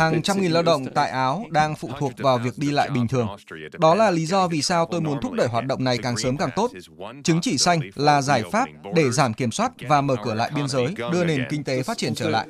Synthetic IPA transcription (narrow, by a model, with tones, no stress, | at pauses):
haː˨˩ŋt͡ɕa˧mŋi˨˩nla˧wɗə̰˧˨wŋ͡mt̪a̰ː˧˨jʔaː˨˦wɗaː˧ŋfṵ˧˨t̪ʰu˨˩ək̚vaː˨˩wvi˨˩ək̚ɗi˧la̰ː˧˨jɓï˨˩ŋ̟t̪ʰɨ˨˩əŋɗɔ˨˦laː˨˩li˨˦zɔ˧vi˨˩saː˧wt̪o˧jmu˨˦ənt̪ʰʊ˦˥k͡p̚ɗəː˧˩jɦwaː˨˩t̚ɗə̰˧˨wŋ͡mna˨˩jkaː˨˩ŋsəː˨˦mkaː˨˩ŋt̪o˦˥t̚t͡ɕɨ˨˦ŋt͡ɕi˧˩sa˧jŋ̟laː˨˩zaː˧˩jfaː˦˥p̚ɗe˧˩zaː˧˩mki˧˩əmswaː˦˥t̚vaː˨˩məː˧˩kɨ˧˩əla̰ː˧˨jɓi˧ənzəː˨˦jɗɨ˧əne˨˩nkï˧ŋ̟t̪e˨˦faː˦˥t̚t͡ɕi˧˩ənt͡ɕəː˧˩la̰ː˧˨ʔ